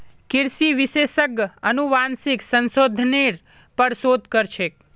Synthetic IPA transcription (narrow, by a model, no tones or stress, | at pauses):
kɪɾsiʋɪʃeʃəɡənuʋansiksənsod̪ʱniɾ | pəɽsod̪ʱkəɾt͡ʃʰe